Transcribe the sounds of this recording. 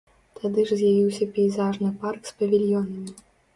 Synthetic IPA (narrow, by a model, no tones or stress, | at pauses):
t̪ʰad̪ɨʐzʲjavʲiwsʲɐpʲɛjzaʐnɨparkspɐvʲilʲjɔnɐmʲi